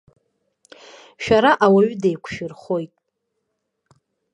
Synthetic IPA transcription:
ʃᶣaɾaʔawaɥdejkʷʰʃɪrχo̞jtʼ

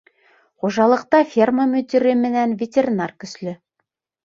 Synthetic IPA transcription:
χoʒɑlˠɤ̆qt̪ɑfʲirməmɵt̪ʲeɾʲɘmɘ̆nænvʲetʲerʲinarkɵ̆slɘ

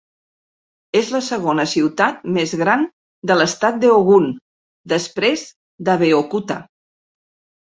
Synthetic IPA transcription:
ezləsəɣonəsiwt̪at̪̚mezɣɾan | d̪ələst̪at̪̚d̪əoɣun | d̪əspɾez | d̪əβeokut̪a̰

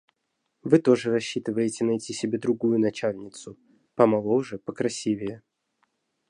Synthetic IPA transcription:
vɨt̪o̞ʐɨɾɐɕːit̪ɨvəjɪtʲɪnɐtʲisʲɪbʲe̞d̪ɾʊɡujʊnɐt͡ɕalʲnʲɪt̪sʊ | pɐmɐlˠoʐɨpəkɾɐsʲivʲɪjə

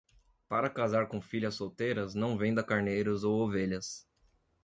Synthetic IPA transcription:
paɾɐkazaɾkõfiʎɐsːowt̪ejɾɐznɐ̃w̃vẽd̪ɐkaɾnejɾʊzowoveʎɐs

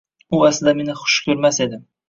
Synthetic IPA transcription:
ʊaslɪd̪ame̞nɪχʊ̥ʃkʲʰɵɾmase̞d̪ɪm

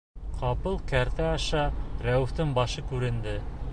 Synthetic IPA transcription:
qʰɑpɤlˠkæɾt̪æɑʃɑɾæwɘ̆ft̪ɤɴbɑʃɤkʉɾɘ̆nd̪ɘ

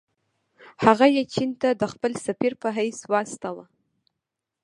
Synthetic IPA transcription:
haʁajat͡ʃʰint̪ʰad̪əχpəlsapirpʰəɦajswast̪ʰala

